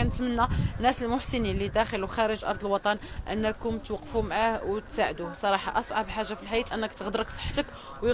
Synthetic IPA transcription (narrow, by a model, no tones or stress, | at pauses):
ænət̪mənːænːæsəlmʊħsəninlid̪æxəluxæɾəʒʔɑ̰ɾˤd̪ˤəlwɑt̪ˤɑnʔə̰nːækʊmt̪wɑqːfumʕahwt̪saʕəd̪usˤɑɾˤɑħɑ̰ʔɑsˤʕɑbħaʒːafilħajit̪ʔənːəkt̪əɣd̪əɾəksˤə̥ħːt̪ək | wjə